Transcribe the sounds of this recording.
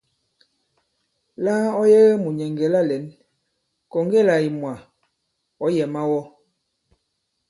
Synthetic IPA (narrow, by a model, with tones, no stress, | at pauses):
la˦ɔ˦je˦ɣmu˨ɲɛ˨ŋɡɛ˨la˦˨lɛ˨˦n | kɔ˨ŋ˦ɡe˦˨la˨i˨mwa˨ | ɔ˨˦jɛ˨ma˦wɔ˦